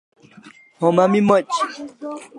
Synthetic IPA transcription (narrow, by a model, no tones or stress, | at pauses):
hɔmamimɔt͡ʃ